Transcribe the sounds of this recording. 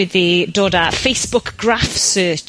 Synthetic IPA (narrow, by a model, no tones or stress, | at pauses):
ɪðədɔdəfeɪsb̥ʊkɡ̥ɹafsɜːˑt͡ʃ